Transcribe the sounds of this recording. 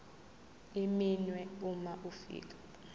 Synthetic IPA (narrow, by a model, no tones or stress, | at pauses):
iminwɛumaʔufḭːk̬ʼḁ